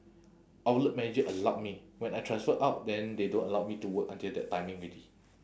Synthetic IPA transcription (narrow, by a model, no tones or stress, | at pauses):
ʔalət̚mɛnid͡ʒəʔəlawt̚miwɛ̃najtʰɹãnsfəʔaʊt̚dɛ̃ndedõnəlaʊmituwəkãntildɛt̚ːãɪjmĩŋɹidi